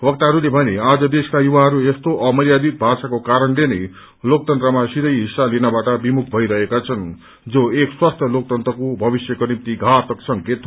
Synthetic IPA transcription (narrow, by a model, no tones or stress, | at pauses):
wʌk̚t̪aɦʌɾulebʱʌnead͡zʌd̪eskajuβaɦʌɾuest̪oʔʌmʌljad̪it̪̚bʱasakokaɾʌnlenʌj | lok̚t̪ʌnt̪rʌmasiɾʌjɦisːalinabaʈʌbimuk̚ʰbʱʌiɾʌɦekat͡sʰʌn | d͡zoekswast̪ʰjʌlok̚t̪ʌnt̪rʌkobʱʌbisjʌkonimt̪iɡʱat̪ʌksʌŋket̪